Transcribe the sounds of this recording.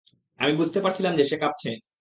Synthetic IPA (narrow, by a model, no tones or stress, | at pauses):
a̰mibud͡ʑʱt̪epaɾt͡ɕʰilamd͡ʑeʃekap̚t͡ɕʰe